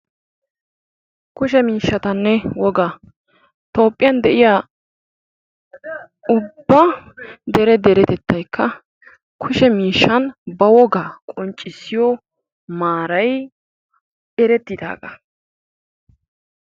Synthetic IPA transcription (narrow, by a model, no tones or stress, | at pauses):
kʊʃɛmiːʃːɐt̪ɐnːɛwɔɡa | t̪o̞ːpʼːɪjɐnd̪ɛʔɪjaː | ʊbːɐd̪ɛɾɛd̪ɛɾɛt̪ɛt̪ːɐjkʰːɐ | kʰʊʃɛmiːʃːɐnbɐwɔɡaːkʼɔnt͡ʃʼːɪsːɪjɔ | maːɾɐj | ɛɾɛt̪ːɪd̪a̰ːɡɐ